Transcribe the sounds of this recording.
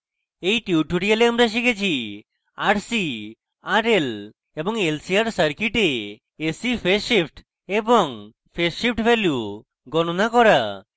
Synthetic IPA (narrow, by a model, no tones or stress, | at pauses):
ejʈiuʈuɽialeamɾaʃ̬ikʰet͡ʃʰi | aʈsi | aɾel | ebɔŋelsiaɾsəɾkiʈeː | sipʰesipʰʈ | ebɔŋ | pʰeʃip̚ʰʈbʱelju | ɡɔñonakɔɾa